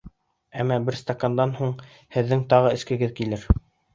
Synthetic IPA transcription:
æmːæbɘɾst̪akand̪ɑnhuɴ | hɘ̆ðːɘŋt̪ɑʁɤɘ̆skɘ̆ɡɘðkilɘɾ

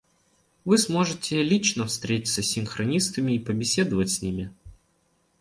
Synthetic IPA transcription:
vɨsmo̞ʐɨtʲɪlʲit͡ɕnəfst̪ɾʲetʲɪ̥səsʲɪnxɾʔɐnʲist̪əmʲɪːpəbʲɪsʲe̞d̪əvətʲsʲnʲimʲɪ

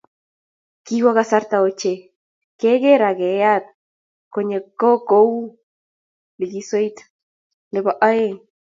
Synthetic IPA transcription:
kiwaɣasaɾt̪aot͡ʃe | keɣeɾaɣeat̪̚ | koɲekokow | liɡisojt̪ | leβaʔae

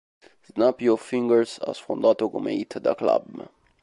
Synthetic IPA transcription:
snapjɔfĩŋɡəɹsa̰sfɔ̃nd̪at̪oɡomeit̪ʰd̪ə̰kla̰b

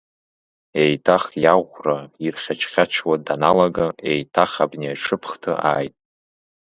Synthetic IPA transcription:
ejtʰaχjaʁʷrairχʲat͡ʃʰχʲat͡ʃʰwadanalaɡaejtʰaχabniaʈ͡ʂʰɨpʰχtʰɨ̰ʔaːjtʼ

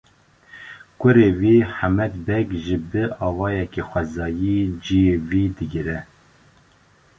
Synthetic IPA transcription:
kʷʊɾeviːħamɛt̪bɛkʒɨbɨɑːvɑːjɛkexʷɛzɑːjid͡ʒijeviːd̪ɨɡɨɾɛ

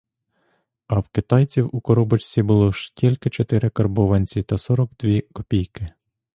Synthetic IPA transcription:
ɐwkɪt̪ɑjt͡sʲiwukɔɾɔbɔt͡ʃt͡sʲibʊlˠɔʃtʲilʲkɪt͡ʃɔt̪ɪɾɪkɐrbɔʋɐnʲt͡sʲit̪ɐsɔɾɔkd̪ʋʲikɔpʲijkɪ

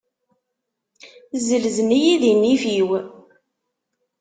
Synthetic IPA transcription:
zəlzənijiðinːifiw

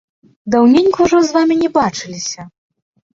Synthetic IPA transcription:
d̪awnʲenʲkuuʐɔzvamʲinʲɛbat͡ʂɨlʲisʲɐ

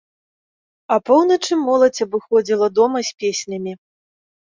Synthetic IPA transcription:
ɐpɔwnɐt͡ʂɨmɔlˠɐt͡sʲɐbɨxɔd͡zʲilˠɐd̪ɔmɐsʲpʲesʲnʲɐmʲi

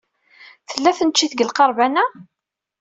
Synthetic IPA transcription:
θəlːæθənt͡ʃːiθɡəlqɑɾˤvænæ

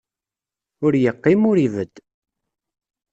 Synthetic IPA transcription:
ʊɾjəqːɪmʊɾivəd̪̥

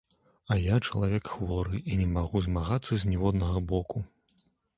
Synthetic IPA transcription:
ɐjat͡ʂɐlˠavʲɛkxvɔɾɨʔinʲɛmaɣuzmaɣat̪sːɐzʲnʲɛvɔd̪nɐɣɐbɔku

